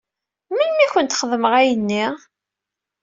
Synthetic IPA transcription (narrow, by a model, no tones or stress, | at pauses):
mənmiçʷənt̪χəðməʁæjənːiʁ